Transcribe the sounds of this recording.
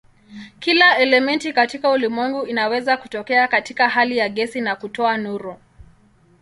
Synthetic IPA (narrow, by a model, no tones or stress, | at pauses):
kilaɛlɛmɛntikatikaulimwɛŋɡuinawɛzakutɔkɛakatikaɦalijaɠɛsinakutɔanuɾɔ